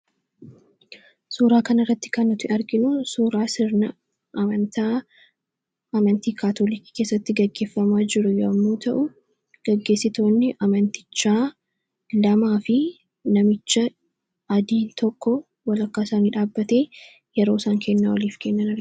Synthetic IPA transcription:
suːɾaːkɐnɐrːɐt̪ːɪ̥kɐnɐt̪ɪʔɐɾɡɪnʊsuːɾaːsɪɾnɐ | ʔɐmɐnt̪aː | ʔɐmɐnt̪iːkaːt̪oːlɪki̥keːsːɐt̪ːɪɡɐɡːe̞ːfːɐmaːd͡ʒɪɾʊjɐmːuːt̪ɐʔʊ | ɡ̥ɐɡːe̞ːsːɪt̪o̞ːnːɪʔɐmɐnt̪ɪ̥t͡ʃːaː | lɐmaːfɪ | nɐmɪt͡ʃːɐ | ɐd̪iːnt̪ʰɔkːɔ | wɐlɐkːaːsaːniːᶑaːbːɐt̪eː | jɛɾo̞ːsaːŋkʰɛnːɐwɐliːfkɛnːɐnɐɾ

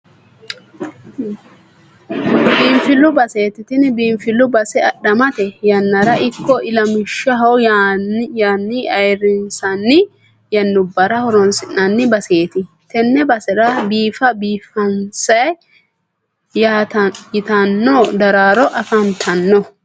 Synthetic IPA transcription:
biːmfɪlːʊbɐse̞ːt̪ɪt̪ɪnbiːmfɪlːʊbɐsɛɐɗɐmɐt̪ɛjɐnːɐɾɐʔɪkːɔɪlɐmɪʃːɐɦɐw | jaːnːɪɐjɾɪnsɐnːɪ | jɐnːʊbːɐɾɐhɔɾɔnsɪnːɐnːɪbɐse̞ːt̪ɪ | t̪ɛnːɛbɐsɛɾɐbiːfɐbiːfɐnsɐj | jat̪jɪt̪ɐnːoːd̪ɐɾaːɾɔʔɐfɐnt̪ʰɐnːɔ

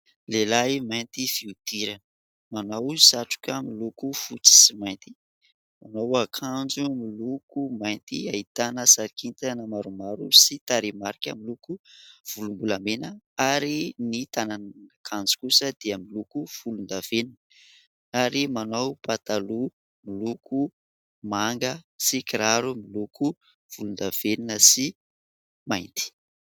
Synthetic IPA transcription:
lelajmajnt̪iv̥iud̪̥iɾanə | manawsaʈ͡ʂu̥kʲəmilukufut͡si̥simajnt̪i̥ | manowakʰand͡zumilukumajnt̪iait̪anəsaɾikint̪anəmaɾumaɾusit̪aɾemaɾikʲa̰milukuv̥ulumbulamenə | aɾinit̪anannkʰand͡zi̥kusəd̪̥eəmilukuv̥ulund̪av̥eninə | aɾimanowpat̪alu | milukʰu | maŋɡəsikiɾaɾumilukʰu | v̥ulund̪av̥eninəsi | majnt̪i̥

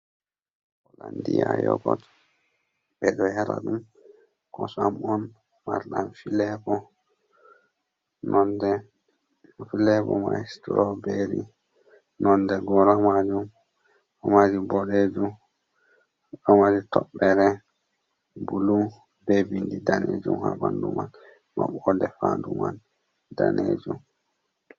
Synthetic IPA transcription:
ɔlandijajɔ̰ɡɔt | bɛɗɔhɛɾa̰ɗum | kɔsamɔn | maɾɗanfilɛbɔ | nʔɔndɛ | filɛbɔ̰maistuɾɔbeɾḭ | nɔndɛɡɔɾamad͡ʒum | ɔmad͡ʒumbɔɗed͡ʒum | ɗɔmaɾitɔɓɛɾɛ | bulum | bɛbindidaned͡ʒumhabanduman | ma̰ɓɔdɛfanduman | daned͡ʒum

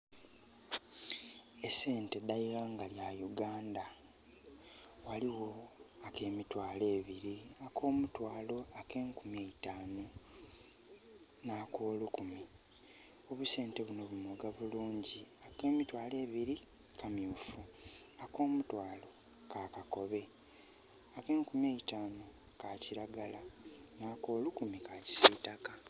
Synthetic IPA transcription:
e̞se̞ːnte̞dajiɾaːŋɡaljajuɡaːnda | waliwo̞ake̞ːmitwaːle̞ːβiɾiako̞ːmutwaːlo̞ake̞ːŋkumeitaːnu | nakoːlukumi | o̞βuse̞ːnte̞βuno̞βumoɡaβuluːɲɟiake̞ːmitwaːle̞ːβiɾi | kʰamjuːfu | ako̞ːmutwaːlo̞ | kaːkako̞βe̞ | ake̞ːŋkumjeitaːno | kaciɾaɡalanaːko̞ːlukumikaci̥sitaka

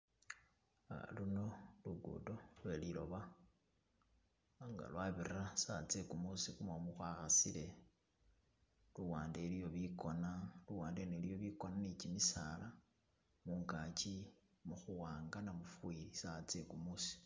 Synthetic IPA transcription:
a̰luno̞luɡṵdolwelilo̞̰βa | ŋɡa̰lwaβirasat͡sekumusikumamuxwaːxasile̞ | luwaːnde̞lijo̞βikonaluwaːndenelijo̞βiko̞nanit͡ʃimisala | muːŋkat͡ʃi | muxuwaːŋɡanamufuwiɾisat͡sekumusi̥

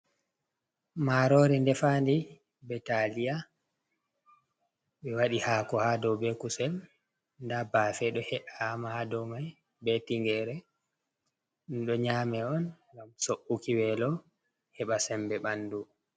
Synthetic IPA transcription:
maɾɔɾɛndɛfandi | bɛtalija | ɓɛwaɗihakɔhadɔwbɛkusɛm | ndabaːfɛɗɔhɛʔaːmahadɔwmaj | bɛtiŋɡɛɾɛ | nɗɔɲaːmɛɔnŋɡamsoʔːukiwɛlɔ | hɛɓasɛmbɛɓanːdu

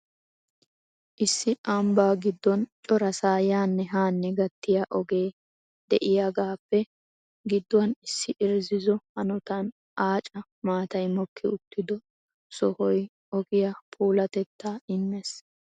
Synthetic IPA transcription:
ʔɪsːɪʔambaːɡɪd̪ːɔnt͡ʃʼɔɾɐsaːjaːnːɛɦaːnːɛɡɐt̪ːɪjaʔɔɡeː | d̪̥ɛʔɪjaɡaːpːɛ | ɡɪd̪ːɔwɐnɪsːɪʔɪɾzɪzɔhɐnɔt̪ɐn | ʔaːt͡ʃʼɐ | maːt̪ɐjmɔkʰːɪʊt̪ːɪd̪ɔ | sɔhɔj | ɔɡɪjɐpʰʼuːlɐt̪ɛt̪ːaːɪnːɛs

